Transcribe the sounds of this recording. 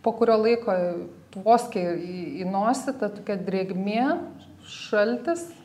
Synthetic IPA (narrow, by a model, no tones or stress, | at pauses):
poːkʊɾʲoːlˠɐɪkoːt̪ʋoːsʲkʲeiinoːsʲɪt̪ɐt̪oːkʲɛd̪ʲɾʲeːɡmʲeː | ʃɐlʲt̪ʲɪs